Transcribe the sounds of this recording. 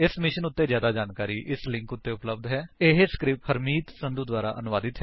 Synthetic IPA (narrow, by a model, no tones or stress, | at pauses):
ɪsmɪʃənʊt̪ːeːzjaːd̪aːd͡ʒaːnkaːɾiːʔɪslɪ̃ŋkʊt̪ːeʊpləb̚d̪ɦɛːeɦeskɾɪphʰəɾmiːt̪sə̃nd̪uːd̪waːɾa̰ːʔənʊʋaːd̪ɪt̪ɦɛː